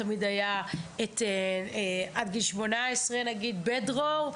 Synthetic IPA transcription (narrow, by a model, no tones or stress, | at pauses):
amid̪ajaet̪eeʔadɡiʃmo̞naesʁenaɡid̪bedʁov